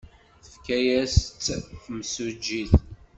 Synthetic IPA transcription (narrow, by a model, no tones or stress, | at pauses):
θəfkæjæsːfmsud͡ʒːiθ